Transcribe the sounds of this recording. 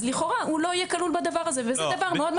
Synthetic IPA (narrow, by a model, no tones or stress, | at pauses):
liχo̞ʁaulo̞ijekalulbad̪avaʁazevezɛd̪avaʁmmeo̞d̪m